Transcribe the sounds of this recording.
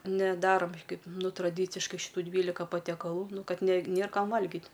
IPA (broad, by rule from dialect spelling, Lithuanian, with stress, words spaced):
nʲɛˈdɑːroːm ˈkɐɪp ˈnʊ trɐˈdʲiːt͡sʲɪʃkɐɪ ʃʲɪˈtuː ˈdʲʋʲiːlʲɪkɐ pɐtʲɛkɐˈlˠuː ˈnʊ ˈkɐt nʲɛ ˈnʲeːr ˈkɐm ˈʋɐlʲɡʲɪt